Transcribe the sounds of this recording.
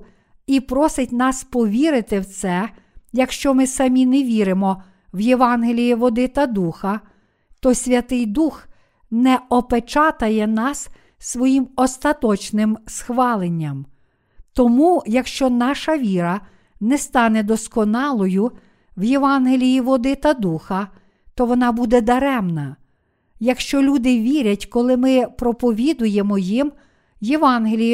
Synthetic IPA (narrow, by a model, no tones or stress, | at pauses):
ipɾɔsɪtʲnɑspɔʋʲiɾɪt̪ɪwt̪sɛ | jɐkʃt͡ʃɔmɪsɐmʲineʋʲiɾɪmɔ | wjeʋɑnɦelʲijiʋɔd̪ɪt̪ɐd̪uxɐ | t̪ɔsʲʋʲɐt̪ɪjd̪ux | nɛɔpet͡ʃɑt̪ɐjɛnɑs | sʋɔjimɔst̪ɐt̪ɔt͡ʃnɪmsxʋɑlˠenʲːɐm | t̪ɔmujɐkʃt͡ʃɔnɑʃɐʋʲiɾɐ | nɛst̪ɑnɛd̪ɔskɔnɑlˠɔjʊ | wjeʋɑnɦelʲijiʋɔd̪ɪt̪ɐd̪uxɐ | t̪ɔʋɔnɑbud̪ɛd̪ɐɾɛmnɐ | jɐkʃt͡ʃɔlʲud̪ɪʋʲiɾʲɐtʲkɔlˠɪmɪpɾɔpɔʋʲid̪ʊjemɔjim | jeʋɑnɦelʲij